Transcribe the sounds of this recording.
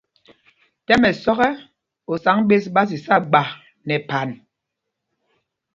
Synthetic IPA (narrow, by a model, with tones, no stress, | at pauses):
tɛ˦mɛ˨sɔ˦ɣɛ˦ | o˨sa˨˦ŋɓe˦s̬ɓa˦s̬i˨sa˦ɡ͡ba˨ | nɛ˨pa˨n